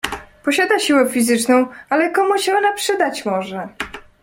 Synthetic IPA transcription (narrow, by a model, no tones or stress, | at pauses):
pɔɕad̪aɕiwɛfʲizɘt͡ʂnɔ̃w̃alɛkɔmuɕɛɔnapʂɘd̪at͡ɕmɔʐɛ